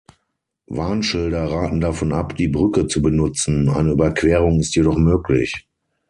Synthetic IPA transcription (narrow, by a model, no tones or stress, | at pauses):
vaːnʃɪldɐʁaːtn̩dafɔna̰pd̥iːbʁʏkət͡subənʊt͡sn̩ʔa̰ɪnəybɐkv̥ɛːʁʊŋɪstjedɔχmøːklɪ̰ç